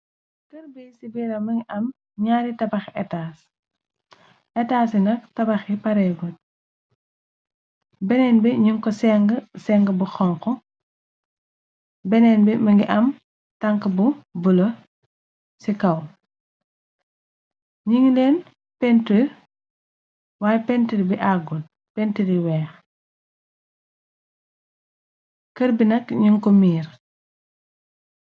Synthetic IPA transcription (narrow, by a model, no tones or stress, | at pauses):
kɐɾbisibiɾɐmɐŋɡiʔɐm | ɲaːɾitɐbɐxɛtas | ɛtaːsinɐk̚tɐbɐxipɐɾɛbut̚ | bɛnɛnbiɲuŋkɔsɛŋɡəsɛŋɡəbuxɔŋkɔ | bɛnɛnbɛmɐŋɡiʔɐm | tɐŋkəbubulɐ | sikɐw | ɲiŋlɛːn | pɛnti | waːjɛpɛntiɾbiʔaɡul | pɛntiɾiwɛːx | kɐɾbinɐkɲuŋkɔmiːɾ